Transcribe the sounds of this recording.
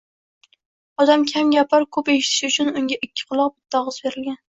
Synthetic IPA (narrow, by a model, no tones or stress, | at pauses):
ɒd̪amkʲʰamɡʲapʰaɾkʰɵpeʃɪ̥t̪ʰɪ̥ʃʊt͡ʃʰʊnʊŋɡʲaʔɪkʲʰːɪ̥qʰɨlˠɒq̚bɪt̪ʰːɒʁɨzbe̞ɾɪlɡʲan